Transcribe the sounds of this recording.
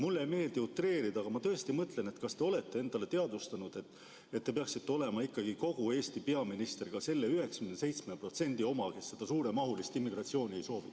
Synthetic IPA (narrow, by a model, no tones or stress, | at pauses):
mulːe̞me̞ːld̪̥iut̪ːre̞ːɾid̪̥ɑɡ̥ɑmɑt̪ɤ̞est̪imɤt̪le̞ne̞t̪kɑst̪e̞o̞le̞t̪ːe̞e̞nd̪̥ɑle̞t̪e̞ɑd̪̥ust̪ɑnud̪̥e̞t̪ːˑ | et̪ːe̞peɑksit̪ːeo̞le̞mɑikːɑɡ̥iko̞ɡ̥ue̞ːst̪ipe̞ɑminist̪erɡ̥ɑse̞lːeyɦe̞kskynese̞jt̪smepro̞t̪se̞nʲd̪̥io̞mɑke̞sːe̞d̪̥ɑsuːɾe̞mɑɦulist̪imːiɡ̥rɑt̪sio̞ːnʲie̞jso̞ːvi